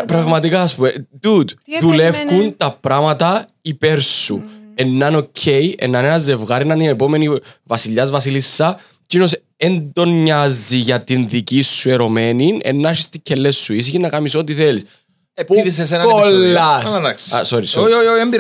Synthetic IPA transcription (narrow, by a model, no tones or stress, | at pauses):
pɾɐɣmɐt̪ikɐːspumed̪ud̪ðulefkunt̪ɐpɾɐmɐt̪ɐ | ipeɾsṵenːɐnocʰːejḛnːɐnenɐzːevɣɐɾinɐninepomenivɐsiʎːɐzvɐsilisːɐ | cinos | end̪o̞ɲːɐzːiʝɐt̪inðicisːueɾo̞meninḛnːɐʃist̪icʰːelːesːuis̬içinːɐkɐmisot̪iθelis | iises̬enolːɐɐt̪ɐkssoɾisooembi